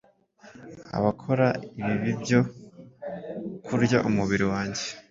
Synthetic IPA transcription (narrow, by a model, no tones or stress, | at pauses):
a̰βakʰo̞ɾaiβiβibjo̞ | kʰuɾɟaʔumuβiɾiwaːɲɟe̞